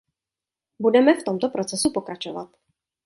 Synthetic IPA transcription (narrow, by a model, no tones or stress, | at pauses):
budɛmɛft̪o̞mt̪opɾo̞t͡sɛsupo̞kɾat͡ʃova̰t̪